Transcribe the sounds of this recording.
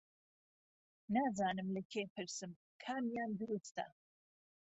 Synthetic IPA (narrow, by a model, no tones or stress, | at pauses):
naːzaːnɨmlɐkʰepʰɨɾsɨm | kʰaːmjaːnd̪ɨɾust̪ɐ̰